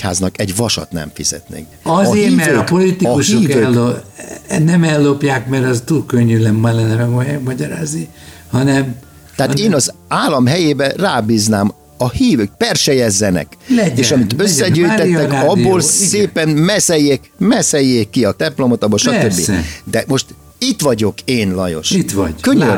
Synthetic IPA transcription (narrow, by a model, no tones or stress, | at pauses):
ha̰ːznɒkɛɟʋɒʃɒ̰t̪nɛ̰ɱfḭz̥ɛ̰t̪nḛːk | ɒzeiːɛvøːkpolit̪ikuʃoːvøɛːlːo | nɛmɛlːopjaːkmɛɾɛzt̪uːlkøɲːylɛmmɔlɛnːɛmɛɡɔjɛmɒɟɒɾaːzni | hɒnɛm | t̪ɛɦaeːnɒzaːlːɒmɦɛjeːbɛraːbiːznaːm | ɒhiːvøːkpɛrʃɛjɛzːɛnɛ̰klɛeːʃɒmit̪øsːɛɟøjt̪ɛt̪ːɛkːɒbːoːlseːpɛnmɛsɛjːeːkmɛsɛjːeːkːiɒt̪ɛmplo̞mot̪ɒboʃɒt̪øbːḭd̪ɛmo̞ʃt̪ | it̪ʋɒɟo̞keːnlɒ̰jo̞̰ʃit̪ʋɒ̰ɟkøɲːø